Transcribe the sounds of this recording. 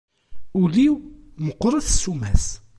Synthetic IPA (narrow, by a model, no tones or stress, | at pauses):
uliwməqːɾˤəθsumæs